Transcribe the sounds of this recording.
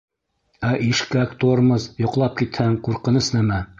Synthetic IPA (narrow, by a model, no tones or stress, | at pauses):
æʔiʃkækt̪oɾmɤzjŏqlˠɑp̚kit̪hæŋquɾqɤ̆nɤsnæmæ